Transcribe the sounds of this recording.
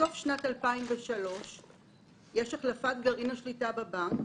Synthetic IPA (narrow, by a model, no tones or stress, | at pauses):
so̞fʃnatalpaimveʃalo̞ʃ | jeʃaχlafatɡɐʁinaʃlitababaŋk